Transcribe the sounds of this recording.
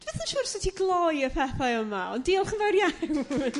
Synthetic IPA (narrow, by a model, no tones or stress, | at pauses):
d̥vɛθaʃuːrsɛtʰiɡlˠɔjəpʰɛθajəmaɔ̰ndiːɔlˠχənvawrja